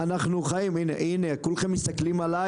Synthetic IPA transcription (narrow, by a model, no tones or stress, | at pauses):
anaχnuχajiminḛʔinekulχemːist̪aklimala